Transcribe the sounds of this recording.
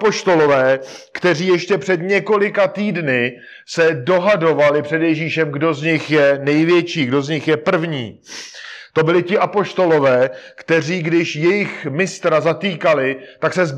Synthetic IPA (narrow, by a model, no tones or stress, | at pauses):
po̞ʃt̪o̞lo̞vɛːkt̪ɛriːjɛʃcɛpr̥ɛd̪ɲɛko̞lɪkat̪iːdnɪ | sɛdo̞ɦado̞valɪpr̝̥ɛdjɛʒiːʃɛmɡdo̞zɲɪxjɛnɛjvjɛt͡ʃiːɡdo̞zɲɪxjɛpr̩vɲḭː | t̪o̞bɪlɪcɪʔapo̞ʃt̪o̞lo̞vɛːkt̪ɛr̝iːɡdɪʃjɛjɪxmɪst̪ɾazat̪iːkalɪt̪aksɛz